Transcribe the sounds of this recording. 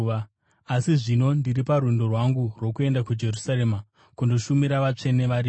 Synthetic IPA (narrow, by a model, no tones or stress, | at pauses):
a | asiʐino̞ndiripaɾwendo̞rwaŋɡurwo̞kue̞ndakud͡ʒe̞rusaɾe̞ma | kundo̞ʃumiɾaʋat͡ʂe̞neʋaɾiː